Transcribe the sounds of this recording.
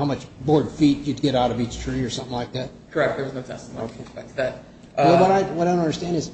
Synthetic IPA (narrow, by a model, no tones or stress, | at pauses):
haʊmʌt͡ʃbɔɹd̥fit͡ʃɨd̚ɡɛɾaʊɾʌvit͡ʃtʰɹ̥iə˞sʌ̃mθɪ̃ŋlaɪk̚ðæt̚kʰə˞ɛk̚t̚ðə˞wʌznoʊtʰɛ̰s̩oʊkʰeɛðɨt̚ | wɛlˠbʌɾaɪwʌɪdõntʌ̃ndə˞stæ̃ndɨz̥